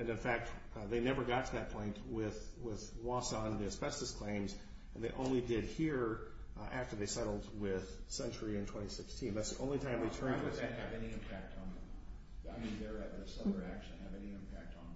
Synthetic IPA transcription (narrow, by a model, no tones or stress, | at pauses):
ɨ̃nɨ̃nfæk̚t̚ | ðeɪnɛvə˞ɡɑtʰəðɨt̚pʰɔ̃ɪ̃nʔwɪðwɪðwɔsɑ̃nðiɨspɛʃˠəskʰl̥ẽɪ̃mz | ɨ̃n̩ðeɪʔõʊ̃nlidɪd̚hiɹ | ʔæftə˞ðeɪsɛɾl̩ˠd̚wɪð̥sɛ̃nt͡ʃə˞iɨ̃ntʰw̥ɛ̃ɾ̃isɪkstʰĩnðætsðiʔõʊ̃nlitʰãɪ̃mðeɪtʰɜ̃˞nɨ̃ɨvɛniɨ̃mpʰæk̚tn̩ | aɪmĩnðə˞ɨt̪̚ðɨsʌə˞ækʃɨ̃nɨvɛniɪ̃mpʰæk̚tn̩